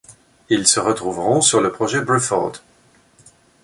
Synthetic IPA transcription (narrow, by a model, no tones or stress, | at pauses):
ilsəʁət̪χuvʁɔ̃syʁləpχɔʒɛbʁɛfɔ̰ʁd̪